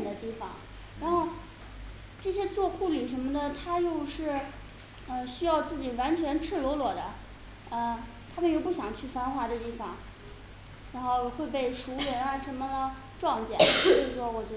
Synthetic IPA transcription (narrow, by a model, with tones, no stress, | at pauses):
d̪ə˦t̪i˥˩fɑ̰˨˩ŋ | ɻa˧˥nxo˥˧ʊ | ʈ͡ʂɤ˥˩ɕjɛ˥t͡swɔ˥˧xu˥˩li˨˩ʂ̬ə˧˥nmə˧d̪ə˨t̪ʰa˥jo˥˧ʊʂɻ̩˥˩ | ə˧ɕy˥jɑ˥˧ʊt͡sɹ̩˥˩t͡ɕi˨˩wa˧˥nt͡ɕʰɥɛ˧˥nʈ͡ʂʰɻ̩˥˩lo˧˥ʊlwɔ˨˩d̪ə˦ | ə˧ | t̪ʰa˥mə˨njo˥˩ʊp̬u˥˩ɕjɑ˨˩ŋt͡ɕʰy˥˩fa˥nxwa˧˥d̪ə˧t̪i˥˩fɑ˨˩ŋ | ɻa˧˥nxo˥˧˩ʊxwe˥˧ɪp̬e˥˩ɪʂu˧˥lɛ˧˥na˥˧˥ʂə˧˥nmə˧ | ʈ͡ʂwɑ˥˧ŋt͡ɕjɛ̰˨˩nt͡ɕt͡ɕo˥˧ʊʂɻ̩˥˩ʂwɔ˥wɔ˨˩t͡ɕ